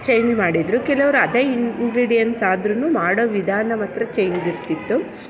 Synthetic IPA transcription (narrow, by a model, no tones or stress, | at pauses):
t͡ʃejɲd͡ʒmaːɽid̪ɾukɛlɐʋɐɾuɐd̪eːinɡɾiːɽijɐnsaːd̪ɾunumaːɽoʋid̪ʱaːnɐmɐt̪ɾɐt͡ʃejɲd͡ʒiɾt̪it̪ːu